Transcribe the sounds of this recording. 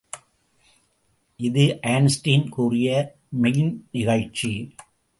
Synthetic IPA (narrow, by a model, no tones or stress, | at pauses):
ʔɪðɯʔaːnsʈiːnkuːrɪjɐ | mɛjɪnnɪɣɐɻt͡ʃːi